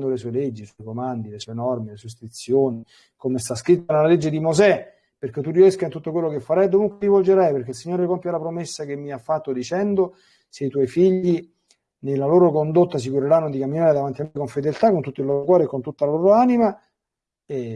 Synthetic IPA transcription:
nd̪olesuːeled͡ʒːisɔjkomand̪ilesuɔenɔrmilesuest̪ɾit̪sːjoːni | komest̪askɾit̪ːanelːaled͡ʒːed̪imozɛ | perk̟et̪ːuriɛskaint̪ut̪ːokwelːokefːaɾajd̪ovuŋkwelivold͡ʒeɾajperkeilsiɲːoːɾekompjalapɾomesːak̟emːiafːat̪ːod̪it͡ʃɛnd̪o | seit̪wɔjfiʎːi | nelːaloːɾokond̪ot̪ːas̬ikuɾeɾanːod̪ikamːinaːɾed̪avant̪iamːekoɱfed̪elt̪akːont̪ut̪ːoilːoːɾokwɔːɾeːkːont̪ut̪ːalaloːɾoanima | e

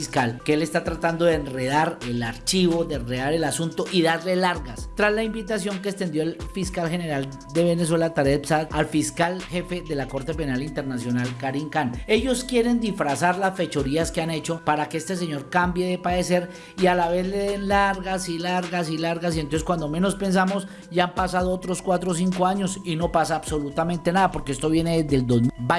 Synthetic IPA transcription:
iskalkeele̞st̪at̪ɾat̪and̪o̞ðeenre̞ð̞aɾelaɾt͡ʃiβo̞ðenre̞ðaɾe̞lasunt̪o̞ʔiðaɾle̞laɾɣast̪ɾazlaimbit̪asjo̞ŋkeːst̪e̞nd̪joelfiskalxe̞ne̞ɾal | d̪e̞βe̞ne̞s̬welat̪aɾepsaðalfiskalxe̞fe̞ðe̞lako̞ɾt̪e̞pe̞nalint̪eɾnasjo̞nalkaɾiŋkane̞ʝo̞skje̞ɾe̞nd̪ifɾasaɾlasfe̞t͡ʃo̞ɾiaskeane̞t͡ʃo̞paɾakeest̪e̞s̬e̞ɲo̞ɾkambje̞ðepaðe̞se̞ɾ | ialaβe̞zle̞ðe̞nlaɾɣasilaɾɣasilaɾɣas̬ienonseskwand̪o̞me̞no̞spe̞ns̬amo̞s | ɟ͡ʝaampasað̞oot̪ɾo̞skwat̪ɾo̞s̬iŋko̞aɲo̞sino̞pasaːβso̞lut̪amẽ̞nt̪e̞naðapo̞ɾke̞e̞st̪o̞βje̞neðed̪e̞ld̪ozmba

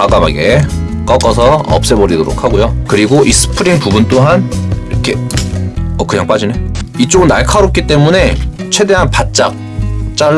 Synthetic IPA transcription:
aɡ͈amaɡe | k͈ʌk͈ʌsʰʌʌ̰p̚s͈e̞bʌɾidoɾo̰k̚ʰhaɡojokɯɾiɡoʔis͈ɯ̥pʰɯɾiŋpubunt͈oɦaniɾʌkʰe̞ | ʌkɯɲaŋp͈ad͡ʑineit͡ɕ͈oɡɯnːaɭkʰaɾop̚k͈it͈e̞mune̞t͡ɕʰwe̞de̞ɦanpat̚t͡ɕ͈ak̚ | t͡ɕ͈a

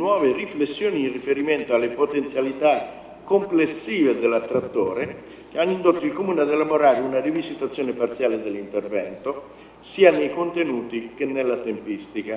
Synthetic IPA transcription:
nwɔːveriflesːjoːniːnrifeɾiment̪oalːepot̪ent̪sjalit̪a | kːomplesːiːved̪elːat̪ːɾat̪ːoːɾe | keanːind̪ot̪ːoilkomuːnad̪elːamoɾaːɾiunarivizit̪at̪sːjoːnepart̪sjaːled̪elːint̪ervɛ̰nt̪o | siːanejkont̪enuːt̪ik̟enːelːat̪empist̪ika

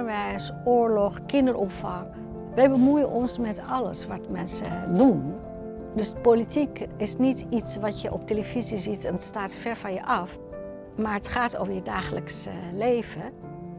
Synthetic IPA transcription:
əɹʋɛjs | ʊːɹlɔχkɪndəɹʔɔmfɑŋ | ʋɛjbəmujənʔɔnsmɛtɑlə̰sʋɑtmɛnsə̰dun | dɵspolitikɪsnititsʋɑtjəʔɔp̚teləvizizitɛnətstaːtfɛɹvɑnjəʔɑf | maːɹətχaːto̰vəɹjədaːχələkslejv̥ə

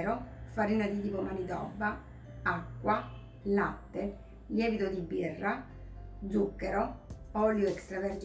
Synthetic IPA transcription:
ɾofaɾinad̪id̪ipomanit̪ɔ̰vːa | akːwa | lat̪ːe | ljɛːvit̪od̪ibːirːa | d̪zukːɛɾoɔljoɛkst̪ɾavɛɾd͡ʒ

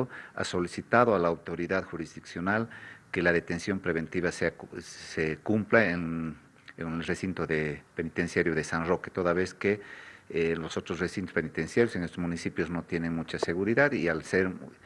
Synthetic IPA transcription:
oa̰so̞lisit̪aðoalaːwt̪o̞ɾiðaðxuɾizðiksjo̞nalkelaðe̞t̪e̞nsjo̞mpɾeβe̞nt̪iβaseasekumplaen | enelresint̪oðepe̞nit̪ensjaɾjoðesanroket̪oðaβe̞ske | losot̪ɾosresint̪ospenit̪ensjaɾjoseŋest̪ozmunisipjozno̞t̪je̞neŋmut͡ʃase̞ɣuɾiðaðialseɾ

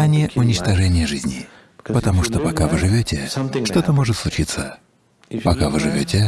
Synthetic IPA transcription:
anʲɪjʔʊnʲɪt͡ɕt̪ɐʐɛnʲɪjəʐɨzʲnʲɪ | pət̪ɐmuʂt̪opɐkavɨʐɨvʲotʲɪʂt̪ot̪əmo̞ʐɨt̪slˠʊt͡ɕit̪sːə | pɐkavɨʐɨvʲotʲɪ

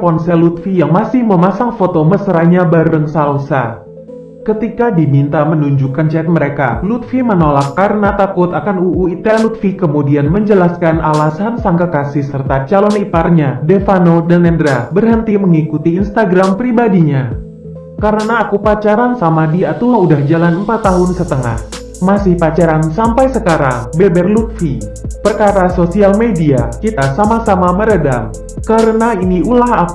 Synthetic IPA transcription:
kɔnsɛlut̪fijaŋmasɪhməmasaŋfot̪oməsəɾahɲabaɾəŋsalosa̰ | kət̪ikadimint̪amənuɲd͡ʒukant͡ʃɛt̪̚məɾeka̰lut̪fimənolakːaɾənat̪akʊt̪akanuʔuit̪ɛlut̪fikəmudianməɲd͡ʒəlaskanʔalasansaŋkakasɪhsərt̪at͡ʃalɔnit̪arɲadefanodanɛndɾabərɦənt̪iməŋikut̪iːnst̪aɡɾampɾibadiɲa | kaɾənaːkupat͡ʃaɾansamadiat̪uaŋudahd͡ʒalanəmpat̪ːaɦʊnsət̪əŋa̰h | masɪhpat͡ʃaɾansampajsəkaɾa̰ŋbɛbɛrluk̚fi | pərkaɾasosialmediakit̪asamasamaməɾədam | kaɾənainiulaɦak

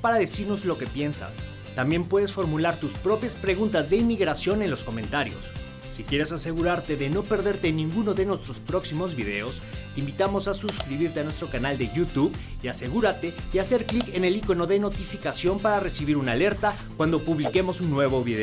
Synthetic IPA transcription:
paɾaðe̞siɾno̞zlo̞ke̞pje̞nsa̰s | t̪ambje̞mpwe̞ðe̞sfo̞ɾmulaɾt̪uspɾo̞pjaspɾe̞ɣunt̪azðe̞imiɣɾasjo̞ne̞nlo̞sko̞mẽ̞nt̪aɾjo̞̰sː | ikjeɾe̞sase̞ɣuɾaɾt̪e̞ðe̞no̞pe̞ɾðe̞ɾt̪e̞nĩŋɡuno̞ðe̞nwe̞st̪ɾo̞spɾo̞ksimo̞zβiðe̞̰o̞st̪eimbit̪amo̞sasuskɾiβiɾt̪eanwest̪ɾo̞kanald̪e̞ʝut̪uβiase̞ɣuɾat̪e̞iase̞ɾklike̞ne̞likono̞ðe̞no̞t̪ifikasjo̞mpaɾare̞siβiɾunale̞ɾt̪a | kwand̪o̞puβlike̞mo̞sunːwe̞β̞o̞βiðe

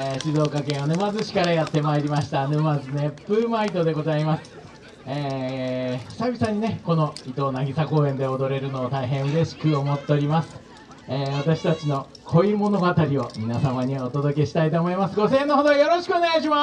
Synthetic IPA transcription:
eɕizo̞ːkakẽ̞ɰ̃nɯmazɨɕi̥kaɾajat̪ːe̞maeɾʲimaɕi̥t̪anɯmazɨne̞pːɯ̟mait̪o̞d̪e̞ɡo̞zaimasɨ̥ | eː | sabʲisãɲ̟ːine̞ko̞no̞it̪o̞ːnaɡʲisako̞ːẽ̞nd̪e̞od̪o̞ɾe̞ɾɯ̟no̞ːt̪aiɦẽ̞ɰ̃ɯ̟ɾe̞ɕi̥kɯomo̞t̪ːe̞oɾʲimasɨ̥ | eːβat̪aɕi̥t̪at͡ɕino̞ | kʰo̞imo̞no̞ɡat̪aɾʲio̞mʲinasamaɲ̟iot̪o̞d̪o̞ke̞ɕi̥t̪ait̪o̞ːmo̞imasɨɡo̞sẽ̞ːnːo̞ɦod̪ojo̞ɾo̞ɕi̥kɯoneɡaiɕ̬ima

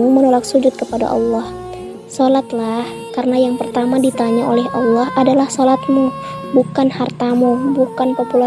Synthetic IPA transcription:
umənolak̚sud͡ʒʊt̪̚kəpada̰ʔɑ̰lːɑh | solat̪lah | karənajaŋpərt̪amadit̪aɲaolɛɦɑlːɑɦadalahsolat̪̚mu | bukanhart̪amubukanpopula

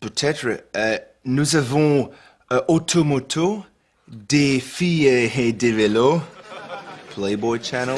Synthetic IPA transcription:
pøt̪ʰɛt̪ʁəə | nuzavɔ̃ | ʔot̪ʰomot̪ʰo | d̪efiəhed̪evelo | pʰleɪbɔt͡ʃanəl

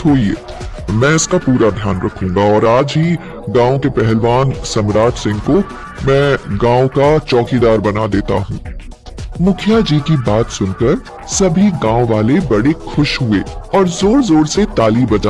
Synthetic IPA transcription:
t̪ʰoːiḛː | mɛ̃ːɪskapuːɾad̪ʱjaːnɾɐkʰũːŋɡaɔːɾaːd͡ʒɦi | ɡãːõkepɛɦɛlʋaːnsɐmɾaːt͡ʃsɪ̃ŋɡko | mɛ̃ːɡãːõkat͡ʃɔːkid̪aːɾbɐnad̪eːt̪a̰ɦũː | mʊkʰjad͡ʒiːkibaːt̪sʊnkəɾ | sɐbʱiɡãːõʋaːlebɐɽexʊʃɦʊeːɔːɾzoːɾzoːɾset̪aːliːbɐd͡ʒa

